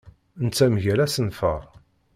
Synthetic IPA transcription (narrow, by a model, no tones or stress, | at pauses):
nt͡sːæmʝæɾæsənfə̰ʁˤ